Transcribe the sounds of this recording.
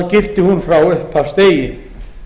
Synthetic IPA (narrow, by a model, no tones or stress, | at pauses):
cɪr̥t̪ɪhunfɾawʏhpʰast̪eːjɪ